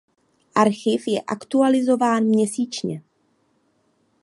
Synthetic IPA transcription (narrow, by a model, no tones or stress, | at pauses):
ʔaɾxɪfjɛʔakt̪ualɪzo̞vaːnmɲɛsiːt͡ʃɲɛ